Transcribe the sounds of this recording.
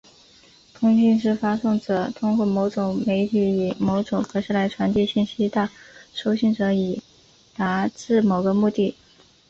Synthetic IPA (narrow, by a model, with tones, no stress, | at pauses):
t̪ʰʊ˥ŋɕi˥˧nʂɻ̩˥˩fa˥sʊ˥˩ŋʈ͡ʂɤ˨˩t̪ʰʊ˥ŋkwɔ˥˩mo˧˥ʊʈ͡ʂʊ˨˩ŋme˧˥ɪt̪ʰi˧˥i˨˩mo˧˥ʊʈ͡ʂʊ˨˩ŋkʰɤ˧˥ʂɻ̩˥la˧˥ɪʈ͡ʂʰwa˧˥nt̪i˥˧ɕi˥˩nɕi˥t̪ə˥˧ʂo˥ʊɕi˥˩ŋʈ͡ʂɤ˧˥i˨˩ | na˧˥ʈ͡ʂɻ̩˥˩mo˨˩ʊɡə˧mu˥˧t̪i˥˩